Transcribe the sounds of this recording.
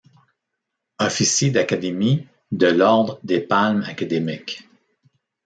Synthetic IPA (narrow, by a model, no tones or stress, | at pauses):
ɔfisjed̪akʲad̪emi | d̪əlɔʁd̪ʁəd̪epalmakad̪emɪk